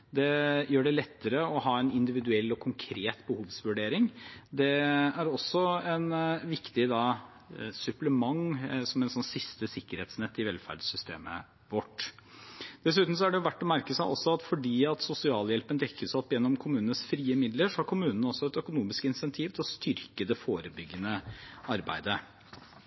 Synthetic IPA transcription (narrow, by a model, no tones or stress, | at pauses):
d̪ɛjøːɖɛlɛt̪ːəɾəɔhɑːɛnɪnd̪ɪʋɪd̪ʉɛlːɔkʰʊŋkʰɾeːt̪bəhuːʋsʋʉɖeːɾɪŋd̪ɛæɾɔsːɔɛnʋɪkt̪ɪd̪ɑ | sʉpləmɑŋsɔmɛnsɔnːsɪst̪əsɪkːəɾhḛːt̪snɛt̪ːɪʋɛlfæ̰ɾɖsʏst̪ḛːmə̰ | ʋɔʈː | d̪̥ɛs̬ʉːt̪n̩sɔæɖɛjʊʋæʈːɔmæɾkəsɑ̰ʔɔsːɔɑt̪fɔɖiːɑt̪sʊsɪɑːljɛlpənd̪ɛkʰːəʂɔpːjɛnːɔmkʰʊmʉːnənəsfɾiːəmɪd̪ləʂɔhɑɾkʰʊmʉːnənəɔsːɔɛt̪œkʊnuːmɪskɪnsɛnt̪ʰiːʋt̪ʰɪlɔst̪ʏɾkəd̪ɛfoːɾəbʏɡːənəɑɾbæ̰ɪd̪ə